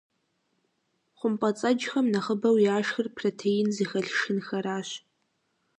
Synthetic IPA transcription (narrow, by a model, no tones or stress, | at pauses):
χʷʊmpʼɐt͡sʼɐd͡ʒxɐmnɐχəbɐwiaːʂxɨrpʰrotʰejɪnzixɐɮʂɨnxɐɾaːɕ